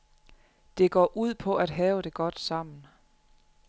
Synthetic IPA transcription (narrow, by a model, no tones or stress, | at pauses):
d̥e̝ɡ̥ɒ̰ːʔuð̰ˠpʰɒ̽ʔæd̥ɦɛːʊd̥e̝ɡ̥ɒ̽d̥sɑ̈m̰n̩